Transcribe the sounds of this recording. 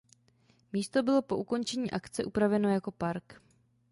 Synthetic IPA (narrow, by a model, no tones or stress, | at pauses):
miːst̪o̞bɪlo̞po̞ʔuko̞nt͡ʃɛɲiːʔakt͡sɛʔupɾavɛno̞jako̞paɾk